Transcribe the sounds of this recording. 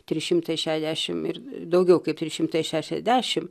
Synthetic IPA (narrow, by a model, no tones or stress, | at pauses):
t̪ʲɾʲɪʃʲɪmt̪ɐɪʃʲæːʃʲzd̪ʲæːʃʲɪmɪɾd̪ɐʊɡʲɛʊkɐɪpt̪ʲɾʲɪʃʲɪmt̪ɐɪʃʲæːʃʲɛ̰zʲd̪ʲæːʃʲɪm